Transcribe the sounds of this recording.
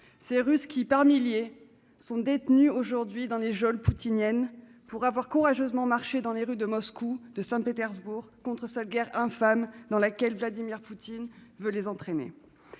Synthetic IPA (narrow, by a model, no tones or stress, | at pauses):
seʁyskʲipaʁmilje | sɔ̃d̪et̪nyoʒuʁd̪ɥid̪ɑ̃leʒɔlput̪injɛnpuʁavwaʁkuʁaʒøzmɑ̃maʁʃed̪ɑ̃leʁyd̪əmɔskud̪əsɛ̃pet̪ɛʁzbuʁkɔ̃t̪χəsɛt̪ɡʲɛʁɛ̃famd̪ɑ̃lakʲɛlvlad̪imiʁput̪invølezɑ̃t̪χenḛ